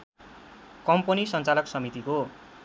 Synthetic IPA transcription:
kʌmpʌnisʌnt͡salʌksʌmit̪iko

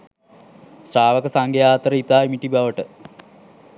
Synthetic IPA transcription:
sɾaːʋəkəsaŋɡejaːt̪əɾəit̪aːimiʈibaʋəʈə

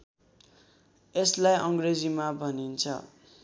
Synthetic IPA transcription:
eslajʔʌŋɡred͡zimabʱʌnint͡sʰʌ̰

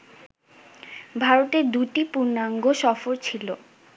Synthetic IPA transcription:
bʱaɾot̪eɾd̪uʈipuɾnaŋɡoʃɔfoɾt͡ɕʰilo

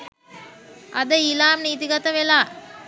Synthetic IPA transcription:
ʔɐd̪əilaːmniːt̪iɡɐt̪əʋelaː

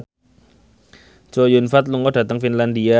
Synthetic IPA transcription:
t͡ʃojunfat̪̚luŋɔd̥a̤t̪əŋfinland̪ia

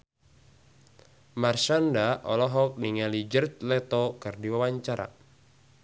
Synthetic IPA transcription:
marʃandaʔɔ̰lɔɦɔk̚niŋalid͡ʒərt̪lɛt̪ɔkɨrdiwawaɲt͡ʃaɾa̰

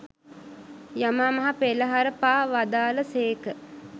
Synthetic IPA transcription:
jamaːmɐɦapeləɦaɾəpaːʋad̪aːləseːkə

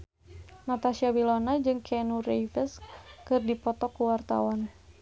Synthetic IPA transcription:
nat̪asiabilɔnad͡ʒɨŋkʰɛnurejvəskɨrdipɔt̪ɔkuwart̪a̰wan

